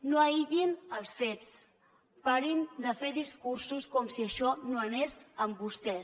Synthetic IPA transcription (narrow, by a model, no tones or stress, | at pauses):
noəiʎinəlˠsfet͡s | paɾind̪əfeðiskuɾsuskɔmsiəʃɔnoənezəmbust̪ɛs